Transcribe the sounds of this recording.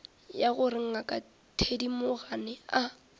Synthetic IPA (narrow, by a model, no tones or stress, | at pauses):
jaɣʊrɪŋ̩akʼa | tʰedimʊɣanɪa